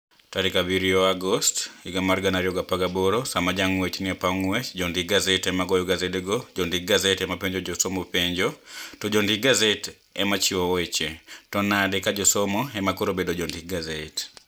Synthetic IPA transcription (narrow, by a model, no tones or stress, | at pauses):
taɾikabiɾioaɡɔstiɡamarɡanaɾijoɡapaɡaboɾosamad͡ʒaŋwet͡ʃnɪapaŋwɛt͡ʃd͡ʒondiɡazetɛmaɡɔjoɡazedɡod͡ʒondiɡazetɛmapeɲd͡ʒod͡ʒosomɔpeɲd͡ʒotɔd͡ʒɔndiɡazet | ɛmat͡ʃiowet͡ʃetɔnadɛkad͡ʒɔsomoɛmakoɾobedod͡ʒɔndiɡazet